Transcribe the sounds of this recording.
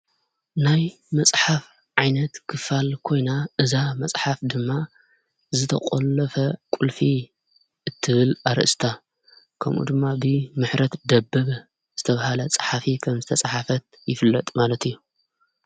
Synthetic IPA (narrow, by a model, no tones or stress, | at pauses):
naj | mɐsʼħaf | ʕajnɐt̪kʰɨfalkʰo̞jnaʔɨzamɐsʼħafd̪ɨmːa | zɨt̪ʰɐ̰qʼolːɐfɐkʼulfi | ɨt̪ʰːɨβɨlaɾɨ̰ʔɨst̪ʰa | kʰɐmʔṵd̪ɨmːabɨmɨħɾɐt̪d̪ɐbːɐβ | z̥ɨt̪ʰɐβahalɐt͡sʼɐ̥ħafikʰɐmzɨt̪ʰɐt͡sʼɐħafɐt̪̚jɪfɨlːɐt̪ʼmalɐt̪ɨjːu